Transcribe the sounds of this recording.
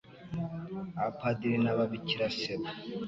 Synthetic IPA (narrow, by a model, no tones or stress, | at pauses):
apʰad̪iɾinaβaβiciɾaseβa